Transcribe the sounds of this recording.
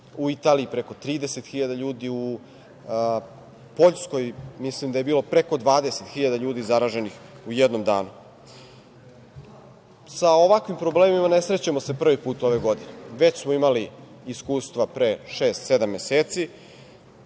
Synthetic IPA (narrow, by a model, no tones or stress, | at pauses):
uit̪aːliipɾeko̞t̪ɾiːd̪ese̞t̪xiʎad̪aʎuːd̪iu | po̞ʎsko̞jmislimd̪aje̞biːlˠo̞pɾe̞ko̞d̪ʋaːd̪e̞set̪xiʎad̪aʎuːd̪izaɾaːʒe̞nixujed̪nomd̪a̰ːnu | sao̞ʋakʋimpɾobleːmimane̞sɾe̞t͡ɕamo̞se̞pr̩ʋipuːt̪o̞ʋe̞ɡo̞d̪ineʋe̞t͡ɕsmoimali | iskuːst̪ʋapɾe̞ʃeːst̪se̞d̪amːe̞seːt̪si